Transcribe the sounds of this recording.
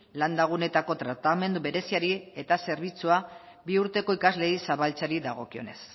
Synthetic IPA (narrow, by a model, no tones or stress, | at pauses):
land̪aɣ̞une̞t̪ako̞t̪ɾat̪ame̞nd̪uβe̞ɾe̞siaɾie̞t̪ase̞ɾβit͡sua | biuɾt̪e̞ko̞ikazle̞jsaβalt͡saɾiðaɣ̞o̞kio̞̰ne̞s